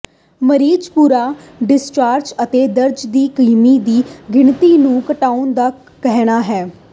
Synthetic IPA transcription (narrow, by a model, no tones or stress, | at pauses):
məɾiːd͡ʒpuːɾaː | ɖɪst͡ʃaːɾd͡ʒət̪eːd̪əɾd͡ʒd̪iːkəjmiːd̪iːɡɪɳt̪iːnũːkəʈaːʊnd̪aː | kɛɦɽ̃aːɦɛː